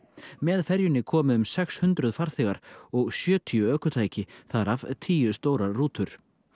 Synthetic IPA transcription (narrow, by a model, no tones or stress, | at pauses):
mɛðfɛɾjʏnɪkʰɔːmʏʏmsɛkshʏnt̪ɾʏðfaɾ̥θɪɣaɾ̥ɔɣsjœːt̪ʰiʏœːkʏt̪ʰaːjcɪθaɾavt̪ʰiːjʏst̪oːwɾaruːt̪ʏɾ̥